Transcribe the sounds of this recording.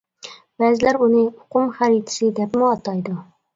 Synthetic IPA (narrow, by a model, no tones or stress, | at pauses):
b̥ɛːzɪlæɾunɨʊqʊmχæɾit̪ʰɪ̥sɪd̪ɛpmʊɑt̪ʰɑjd̪u